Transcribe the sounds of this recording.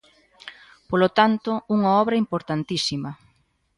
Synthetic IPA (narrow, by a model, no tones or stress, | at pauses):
polot̪ant̪ʊuŋaɔβɾɐimpoɾt̪ant̪isimɐ